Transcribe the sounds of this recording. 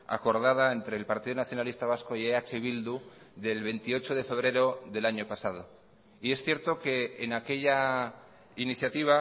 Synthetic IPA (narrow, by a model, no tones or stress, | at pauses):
a̰ko̞ɾð̞að̞ae̞nt̪ɾe̞ːlpaɾt̪iðonaθjo̞nalist̪aβ̞asko̞ieat͡ʃeβild̪u | ðe̞lβe̞nt̪io̞t͡ʃo̞ð̞e̞fe̞β̞ɾe̞ɾo̞ðe̞laɲo̞pasað̞o̞ | ie̞sθje̞ɾt̪o̞ke̞ːnake̞ʝa | iniθjat̪iβ̞a